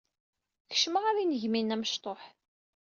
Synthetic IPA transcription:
çə̥ʃməʁaɾinəʝminæməʃt̪ˤoħ

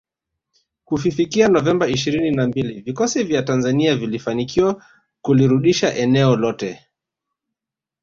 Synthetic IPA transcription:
kufifikianɔvɛmbaiʃiɾininambilivikɔsivjatanzaniavilifanikiwa | kuliɾuɗiʃaʔɛnɛɔlɔtɛ

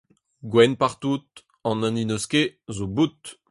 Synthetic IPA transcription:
ɡwɛnpaʁt̪ut̪̚ | ɑ̃nãninɔskezobut̪

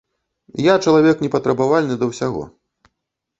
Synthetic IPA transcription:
jat͡ʂɐlˠavʲɛknʲɛpɐt̪ɾɐbavalʲnɨd̪ɐwsʲaɣɔ̰

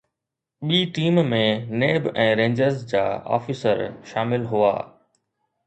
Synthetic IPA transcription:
ɓiːʈiːmmẽneːbɛ̃ːɾẽːɲd͡ʑəɾzd͡ʑa̰ːɔ̰ːfiːsəɾʃaːmɪlɦʊa̰ː

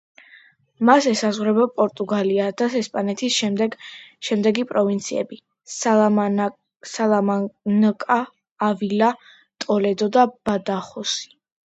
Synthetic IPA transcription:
masɛsazʁwɾɛbapʼɔɾt̪ʼuɡaliad̪̥asɛspʼanɛt̪ʰisʃɛd̪ɛɡʃɛmd̪ɛɡipʼɾɔvint̪sʰiɛ̰bi | s | salˠamnkʼaː | vila | t̪ʼɔlɛd̪ɔd̪ab̥ad̪aχɔsi̥

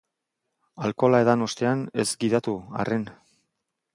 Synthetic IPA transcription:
alko̞laeðano̞st̪e̞anezɡiðat̪ua̰ren

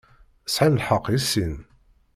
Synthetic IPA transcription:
əsʕanəlħɑqːisin

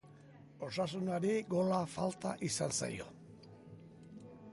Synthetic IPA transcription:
o̞sas̬unaɾiɡo̞lafalt̪aʔisansa̰jo̞̰

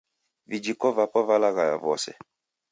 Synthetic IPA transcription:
vid͡ʒikɔvapɔvalaɣaja̰vɔ̰sɛ̰

